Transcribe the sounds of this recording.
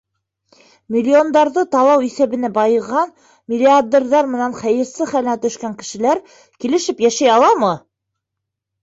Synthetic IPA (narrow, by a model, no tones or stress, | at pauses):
mʲɪlʲːio̞nd̪ɑɾðɤt̪ɑlˠɑwiθæβɘ̆næbɑjɤ̆ʁɑn | mʲɪlʲːiad̪erðɑɾmɘ̆nænχæjɘ̆ɾsɘχælæt̪ɵ̆ʃkæŋkɘ̆ʃɘ̆læɾ | kilɘ̆ʃɘpjæʃæjɑlˠɑmɤ